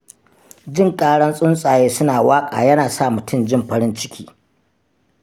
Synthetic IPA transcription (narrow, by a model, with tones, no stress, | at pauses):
d͡ʒɪ˦˨ŋkʼaː˦ɽɐ˦nsʼʊ˦nsʼaː˨jeː˦sʊ˦naː˨waː˦kʼa̰ː˨jɐ˦naː˨sa˦˨mʊ˨tʰʊ˦˨md͡ʒɪ˦˨mɸɐ˦ɾɪ˦nt͡ʃɪ˦kʲiː˦